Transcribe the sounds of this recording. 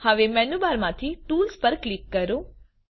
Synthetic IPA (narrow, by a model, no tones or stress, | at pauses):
həʋemɛnubaɾmãt̪ʰiʈuːlspəɾklikːəɾõ